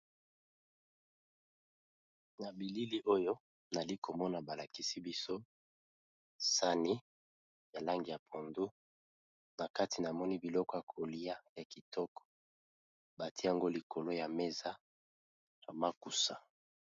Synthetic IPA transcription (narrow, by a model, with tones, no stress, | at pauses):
na˨bi˨li˦li˦ʔo˦jo˦ | na˨li˦ko˨mɔ˦na˨ba˨la˨ki˦si˦bi˦so˦ | sa˦ni˦ | ja˨la˦ŋɡi˨ja˨pʰo˨ndu˦ | na˨ka˦ti˨na˨mɔ˦ni˦bi˨lɔ˦kɔ˦ja˨kʰo˨li˦a˦ja˨ki˨tɔ˦kɔ̥˨ | ba˨ti˦a˨ŋɡo˦li˨ko˨lo˦ja˨me˦za˦ | ja˨ma˦ku˨sa˨